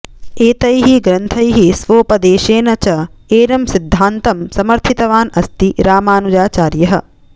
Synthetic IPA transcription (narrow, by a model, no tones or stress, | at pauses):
eːt̪ɐjɦiɡɾɐnt̪ʰɐjɦisʋoːpɐd̪eːʃeːnɐt͡ʃɐeːɾɐmsid̪ʱːaːnt̪ɐmsɐmɐɾt̪ʰit̪ɐʋaːnɐst̪iɾaːmaːnud͡ʒaːt͡ʃaːɾjɐɦɐ̰